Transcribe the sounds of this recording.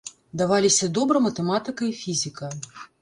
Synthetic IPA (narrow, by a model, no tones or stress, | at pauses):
d̪avalʲisʲɐd̪ɔbɾɐmɐt̪ɛmat̪ɨkɐifʲizʲikɐ